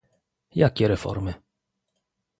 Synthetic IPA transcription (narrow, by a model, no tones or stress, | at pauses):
jakʲɛɾɛfɔ̰ɾmɪ